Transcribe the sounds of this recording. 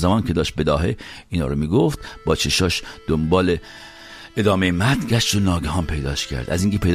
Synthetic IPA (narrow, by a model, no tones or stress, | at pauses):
zæmɒːncʲʰe̞d̪ɒːʃt̪̚be̞d̪ɒːɦeiːnɒ̰ːɾomiːɡoft̪bɒːt͡ʃʰeʃɒːʃd̪̥ombɒːle | ed̪ɒːmejemæt̪ɟʲæʃt̪onɒːɡæɦɒːnpʰe̞jd̪ɒːʃcʰæ̰ɾd̪æ̰ziːŋcʰe̞pʰe̞jd̪